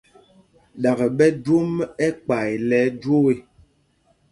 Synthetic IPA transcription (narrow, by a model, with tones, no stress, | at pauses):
ɗa˨ɣə˨ɓɛ˦dwo˦mɛ˦k͡pa˨jlɛ˨˦dwo˦e˦